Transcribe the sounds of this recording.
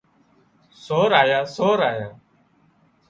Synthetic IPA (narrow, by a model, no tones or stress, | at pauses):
soːɾaːjaːsoːɾaːjaː